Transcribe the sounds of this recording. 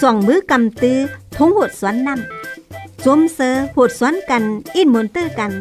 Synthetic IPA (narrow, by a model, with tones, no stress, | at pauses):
swa˧˩ŋmɨ˨˦ka˨˩mt̪ɨ˧˩t̪ʰʊ˨˦ŋhu˨˩t̚swaː˨˥nːa˧˩m | zu˨˧˦msəː˧hu˨˩t̚swaː˨˦˥nka˧˩nʔi˧˩n̚mu˨nt̪ɨ˧˨ka˧˩n